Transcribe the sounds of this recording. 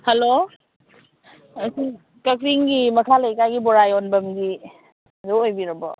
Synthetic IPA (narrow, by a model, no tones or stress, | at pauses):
helo | si | kɐkɾiŋɡimɐkʰalejkajɡibɔɾajɔnbɐmɡi | doojbiɾɔbɔ